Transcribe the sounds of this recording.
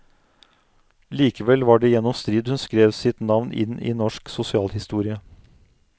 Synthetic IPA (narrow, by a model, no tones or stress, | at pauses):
liːkəʋɛlʋɑːɖeːjɛnːɔmst̪ɾiːd̪hʉnskɾeːʋsɪt̪nɑʋnʔɪ̰nḭːnɔʂksʊsɪɑːlhɪst̪uːɾɪə